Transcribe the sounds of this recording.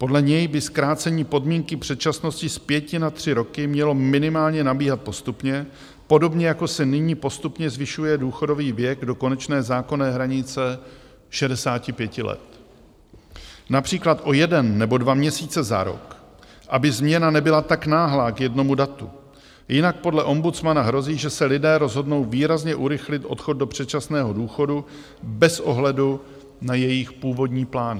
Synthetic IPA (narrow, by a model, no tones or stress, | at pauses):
po̞dlɛɲɛjbɪskɾaːt͡sɛɲiːpo̞dmiːŋkɪpr̝̥ɛt̪̚t͡ʃasno̞scɪspjɛcɪnat̪r̝̥ɪɾo̞kɪmɲɛlo̞mɪnɪmaːlɲɛnabiːɦat̪̚po̞st̪upɲɛ | po̞do̞bɲɛjako̞sɛnɪɲiːpo̞st̪upɲɛzvɪʃujɛduːxo̞do̞viːvjɛɡdo̞ko̞nɛt͡ʃnɛːzaːko̞nɛːɦɾaɲɪt͡sɛ | ʃɛdɛsaːcɪpjɛcɪlɛ̰t̪ | napr̝̥iːklat̪ʔo̞jɛdɛnːɛbo̞dvamɲɛsiːt͡sɛza̰ɾo̞̰k | ʔabɪzmɲɛnanɛbɪlat̪aknaːɦlaːkjɛdno̞mudat̪ṵ | jɪnak̚po̞dlɛʔo̞mbut͡smanaɦɾo̞ziːʒɛsɛlɪdɛːɾo̞zɦo̞dno̞wviːɾazɲɛʔuɾɪxlɪt̪ʔo̞̰t̪xo̞td̚do̞pr̝̥ɛt͡ʃasnɛːɦo̞duːxo̞du | bɛsʔo̞ɦlɛdu | najɛjɪxpuːvo̞dɲiːplaːnɪ